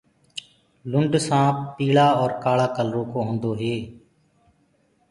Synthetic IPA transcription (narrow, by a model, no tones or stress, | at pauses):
lʊɳɖsãːpiːɭaːɔːɾkaːɭaːkəlɾoːkõːɦõːnd̪oːɦeː